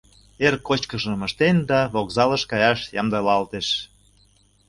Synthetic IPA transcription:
erkːot͡ɕkəʃə̆məʃt̪end̪ɑβokzɑləʃkɑjɑʃjɑ̰md̪əlɑlt̪eʃ

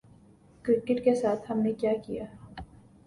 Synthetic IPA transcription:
kɾɪkɪʈkesaːt̪ʰhɐmnekjaːkijaː

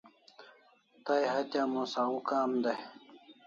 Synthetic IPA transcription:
t̪ajɦɐt̪jaːmosaɣukaːmd̪aj

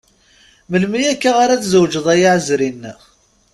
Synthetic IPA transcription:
məlmijækːaʁaɾaθzəwd͡ʒəðˤæjaʕəzɾinːə

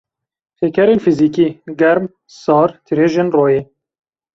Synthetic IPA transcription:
t̪ʰeːkʰɛɾeːnfiziːkiːɡɛɾm | sɑːɾt̪ʰɨɾeːʒeːnroːjeː

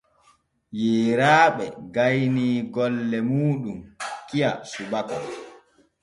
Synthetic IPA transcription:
jiːɾaːɓɛɡajniːɡɔlːɛmuːɗumkijasuɓakɔ

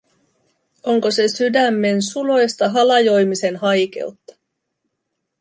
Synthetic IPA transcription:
o̞ŋko̞se̞sydæmːe̞nsulo̞jst̪ɑɦɑlɑjo̞jmise̞nɦɑjke̞̰ut̪ːɑ̥

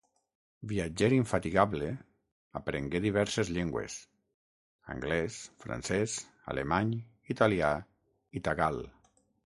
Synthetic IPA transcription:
biad͡ʒeɾiɱfat̪iɣaβle | a̰pɾeŋɡeðiβ̞ɛɾsezʎeŋɡwḛs | a̰ŋɡlɛsfɾa̰nsɛs | a̰lemaɲ | it̪alia | it̪aɣal

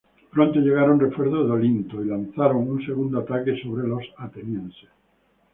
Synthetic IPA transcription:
pɾont̪oʎeɣaɾonrefweɾðoðolint̪oilan̟θaɾoŋunse̞ɣ̞und̪oat̪akeso̞βɾelo̞sat̪enjẽnse

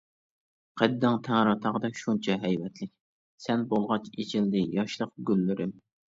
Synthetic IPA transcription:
qʰɛd̪ːɑŋt̪ʰæŋɾɑt̪ʰɑʁd̪ɛʃunt͡ʃʰɛɦɛjwɛt̪ʰlɪkʲ | sɛnbolˠʁɑt͡ʃet͡ʃʰɪld̪ɪjɑʃlˠəq̚ɡʲylːyɾɪm

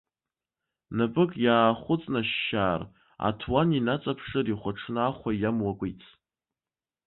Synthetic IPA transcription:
napʼɨkʼjaːχʷʊt͡sʼnaʃːaːr | a̰tʰwaninat͡sʼapʰʂɨriχʷaʈ͡ʂʰnɨaχʷajamwakʷʼijt͡sʰ

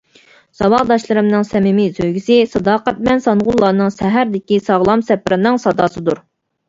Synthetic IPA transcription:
sɑbɑʁd̪ɑʃlˠɨɾɨmnɨŋsɛmɪmisøjɡʲisɪsɑd̪ɑːqɛt̪̚mɛnsɑnʁʊlˠːɑːnɨŋʃæɦæɾd̪ɪkʲisɑʁlˠɑmsɛpɾʔɨnɨŋsɑd̪ɑːsɨd̪uɾ

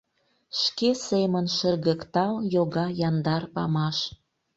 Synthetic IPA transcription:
ʃkesemənʃərɣə̆kt̪ɑljoɣɑjɑnd̪ɑrpɑmɑʃ

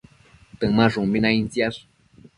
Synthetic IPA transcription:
t̪əŋmaʐuŋminaint͡siasu̥

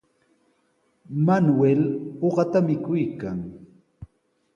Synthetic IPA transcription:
manweloɢɑt̪amɪkʊjkaŋ

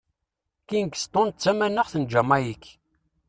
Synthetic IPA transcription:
kinkə̥st̪ˤont̪̚t͡sːæmænəʁθənd͡ʒæmæjikː

